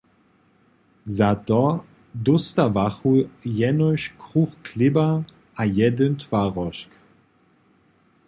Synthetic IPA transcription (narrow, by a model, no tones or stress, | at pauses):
zat̪ɔ | d̪ɔst̪avaxujɛnɔʃkʁuxklɪba | ajɛd̪ənt̪vaʁɔʃk